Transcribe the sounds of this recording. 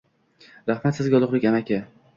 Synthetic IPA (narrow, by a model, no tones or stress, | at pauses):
ɾahmat̪sɪzɡʲaɒlˠɨqlɪkʲamakʲa